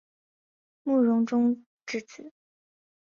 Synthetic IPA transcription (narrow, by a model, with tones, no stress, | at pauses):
mu˥˩ɻʊ˧˥ŋʈ͡ʂʊ˥ŋ | ʈ͡ʂɻ̩˥˩t͡sʰɹ̩˨˩˦